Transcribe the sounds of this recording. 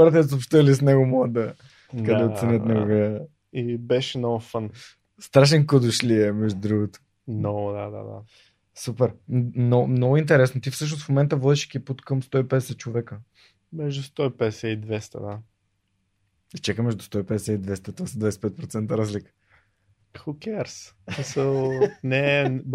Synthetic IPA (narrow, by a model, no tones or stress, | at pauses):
ɔɾɐt̪̬ɛs̬opʃt̪əlisnɛɡʊmɔəd̪ɐ | kɐd̪ɛot̪sɛnʲət̪nɛɡoɡə | ibɛʃɛnɔvəfən | st̪ɾaʃɛnkod̪oʃliɛmɛʒd̪ʊd̪ɾuɡot̪o̥ | nnɔvd̪ad̪a̰d̪a̰ | supɛɾmnɔmnɔɡʊint̪ɛɾɛsnot̪ifsɤʃ̬nosfmomɛnt̪əvɔd̪iʃkiput̪kəmst̪ɔipɛd̪ɛsɛt͡ʃovɛkə | mɛʒd̪ʊst̪ɔipɛd̪ɛsɛid̪vɛst̪ə̰d̪a | it͡ʃakəmɛʒd̪ʊst̪ɔipɛd̪ɛsɛid̪vɛst̪ət̪ovasəd̪vajsɛpɛt̪̚pɾot̪sɛnt̪əɾazlikə̥ | xukɛɾssmisəlˠnɛ